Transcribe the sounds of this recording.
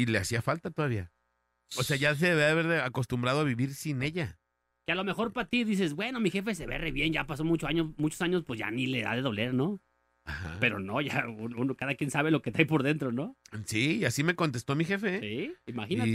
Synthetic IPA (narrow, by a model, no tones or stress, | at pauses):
ile̞asiafalt̪at̪o̞ðaβia | ose̞aʝas̬eðeβiaðβeɾðeako̞st̪umbɾaðoaβiβiɾsineʝa | kealo̞me̞xo̞ɾpat̪iðis̬e̞sbwe̞no̞mixe̞fe̞s̬eβḛreβje̞nʝapaso̞mut͡ʃoaɲomut͡ʃosaɲo̞spwesʝa̰nileða̰ðeðo̞le̞ɾno | axa̰pe̞ɾo̞̰no̞ʝaununokaðakjensaβe̞lo̞ket̪eajpo̞ɾðe̞nt̪ɾonosiːasime̞ko̞nt̪e̞st̪o̞mixe̞feiimaxina